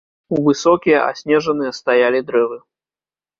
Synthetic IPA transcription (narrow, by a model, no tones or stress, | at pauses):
uvɨsɔkʲijɐʔa̰sʲnʲɛʐɐnɨjɐst̪ajalʲid̪ɾɛvɨ